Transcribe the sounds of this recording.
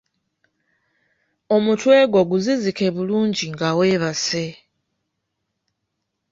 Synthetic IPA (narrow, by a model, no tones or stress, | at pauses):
o̞mutwe̞ːɡo̞ɡuzizike̞βuluːɲɟiŋɡaweβase̞